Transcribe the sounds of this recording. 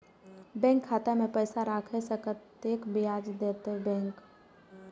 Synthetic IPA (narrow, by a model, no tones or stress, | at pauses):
bɛ̃ːŋkʰːaːt̪amẽpɛːsaɾaːkʰesəkət̪eːkbɪaːd͡ʒd̪eːt̪ebɛ̃ːŋk